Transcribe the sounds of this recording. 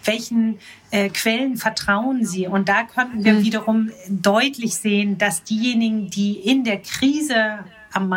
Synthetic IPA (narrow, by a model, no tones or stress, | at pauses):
v̥ɛlçn̩ | ʔɛːkv̥ɛlənfɛɐtʁ̥aʊənziːʊnt̚d̥aːkʰɔntn̩viːɐviːɾɐʁʊmdɔʏtʰlɪçz̥eːənd̥asd̥iːjeːnɪɡŋ̩diːʔɪndeːɐkʁ̥iːzə | ʔamːa